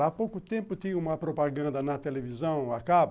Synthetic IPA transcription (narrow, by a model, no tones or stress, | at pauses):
apowkʊt̪ẽmpʊt̪ĩɐ̃ũmɐpɾopaɡɐ̃nd̪ɐnɐt̪elevizɐ̃w̃akab